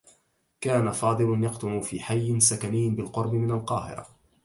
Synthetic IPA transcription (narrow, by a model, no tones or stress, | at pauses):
kaːnafɑːd̪ˤɨlʊnjɑqt̪ʊmufiːħajːɪnsakanɪjːbɪlqʊɾbɪmɪnalqɑːhɪ̰ɾˤɑ̰